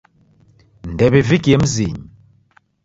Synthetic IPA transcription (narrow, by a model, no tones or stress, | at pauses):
ndɛβivikiɛm̩ziɲi